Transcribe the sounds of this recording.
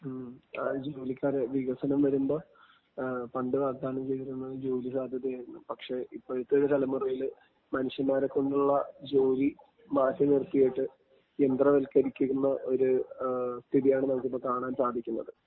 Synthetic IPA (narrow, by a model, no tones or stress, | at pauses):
d͡ʑoːlikʲːaːɾeʋiɣɐsɐnɐmʋɐɾumbo̞ː | pɐɳɖɨʋaːɡ̚d̪aːnɐmt͡ɕe̞jt̪iɾunːɐðɨd͡ʑoːlisaːd̪ʱjɐðjɐjejnːɨpɐkʂe̞ipːoːɻit̪ːeoɾut̪ɐlɐmurɐjil | mɐnuʂjɐnmaːɾekːo̞ɳɖuɭːɐd͡ʑo̞ːli | maːtːɐnirt̪ijiʈːɨ | end̪rɐʋelkɐɾikʲːuunːɐʔo̞ɾu | st̪ʰiðijaːɳɨnɐmɐk̬ːipːoːkaːɳaːnsaːd̪ʱikʲːunːɐðɨ